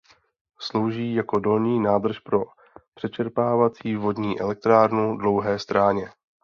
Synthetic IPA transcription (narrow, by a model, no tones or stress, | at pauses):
slo̞wʒiːjako̞do̞lɲiːnaːd̪r̩ʃpɾo̞ | pr̥ɛt͡ʃɛɾpaːvat͡siːvo̞dɲiːʔɛlɛk̚t̪ɾaːɾnudlo̞wɦɛːst̪ɾaːɲɛ